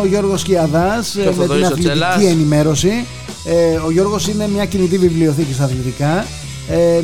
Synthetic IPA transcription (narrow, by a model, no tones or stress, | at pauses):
oʝo̞ɾɣo̞sciɐðɐsme̞t̪inɐlit̪icie̞nime̞ɾo̞si | eo̞ʝo̞ɾɣo̞sine̞mɲɐcinit̪̬ivivlio̞θicist̪ɐθlit̪ikɐ | e